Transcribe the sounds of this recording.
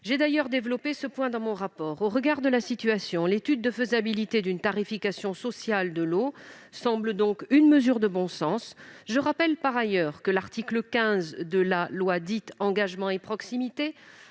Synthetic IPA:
ʒed̪ajœʁd̪evlɔpesəpwɛ̃d̪ɑ̃mɔ̃ʁapɔːʁoʁəɡaʁd̪əlasit̪yasjɔ̃let̪yd̪̚ːəfəzabilit̪ed̪ynt̪aʁifikasjɔ̃sɔsjald̪əlo | sɑ̃bld̪ɔ̃kynməzyʁd̪əbɔ̃sɑ̃sʒəʁapɛlpaʁajœʁkəlaʁt̪ikləkʲɛ̃zd̪əlalwad̪it̪ɑ̃ɡaʒmɑ̃epχɔksimit̪e

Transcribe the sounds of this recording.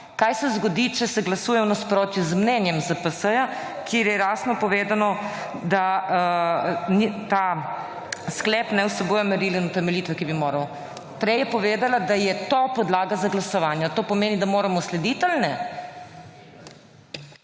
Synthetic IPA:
kajsɛzɡɔd̪it͡ʃɛsɛɡlɐsuːjɛwnaspɾoːt̪juzmnɛnjɛmzapəsəja | kʰeːɾjɛɾaːsnɔpɔʋeːd̪anɔ | d̪a | nit̪a | sklɛːpnɛwsɛboːjɔmɛɾilinɔt̪ɛmɛliːt̪ʋɛkibimoːɾɐw | pɾɛjɛpɔʋeːd̪alad̪ajɛt̪opɔd̪laːɡazaɡlasɔʋaːnjat̪oːpɔmeːnid̪amoːɾamɔslɛd̪it̪alnɛ

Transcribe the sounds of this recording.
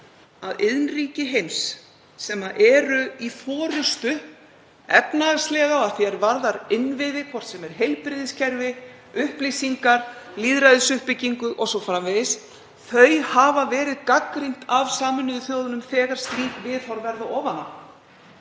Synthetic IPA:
aðɪðnriːcɪɦejmsː | ɛmaʔɛːɾʏifɔːɾʏst̪ʏ | ɛpnaðaɾst̪lɛːɣaaθiɛɾvaɾðaɾɪnːvɪðɪkʰvɔr̥t̪sɛmɛɾ̥ɦejlpɾɪðɪscʰɛɾvɪ | ʏhplisiŋkaɾ̥liːðɾajðʏsʏhpɪcːiŋkʏʔɔsɔwfɾamvɪðɪs | θœɥjhaːvavɛːɾɪðkakɾin̥t̪avsaːmʏnʏðʏθjoːwðʏnʏmθɛːɣaɾ̥st̪ɾiːkvɪðhɔɾvɛɾðʏʔɔːvana

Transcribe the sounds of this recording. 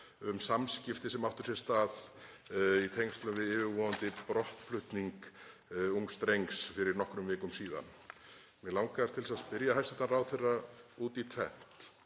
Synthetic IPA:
ʏmsamscɪft̪ɪsɛmawht̪ʏ̥sjɛɾ̥st̪aːð | it̪ʰejŋst̪lʏvɪðɪːvɪɾvɔːðant̪ɪpɾɔht̪flʏht̪niŋk | uŋst̪ɾejŋksfɪɾɪɾnɔhkɾʏmvɪːkʏmsiːða̰n | mjɛlawŋkaaɾt̪ʰɪlsaðspɪɾjaɦajfst̪ɛt̪araːwθejrauːt̪it̪ʰvɛ̰n̥t̪

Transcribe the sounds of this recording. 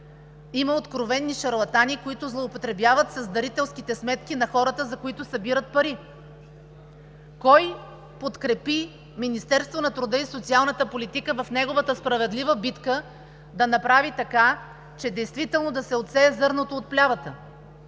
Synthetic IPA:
iməot̪kɾovɛnːiʃɐɾlˠɐt̪anikoit̪ʊzlˠoːpot̪ɾɛbjavət̪sɐzd̪ɐɾit̪ɛlˠskit̪ɛsmɛt̪kinɐxɔɾət̪əzɐkoit̪ʊsɐbiɾət̪̚pɐɾi | kɔj | pot̪kɾɛpi | minist̪ɛɾst̪vonɐt̪ɾʊd̪əisot̪sialˠnət̪əpolit̪ikəvɐfnɛɡovət̪əspɾɐvɛd̪lʲivəbit̪kə | d̪ɐnɐpɾavit̪ɐka | t͡ʃɛd̪ɛjst̪vit̪ɛlˠnod̪ɐsɛot̪sɛːzɤɾnot̪oːt̪̚plʲavət̪ə

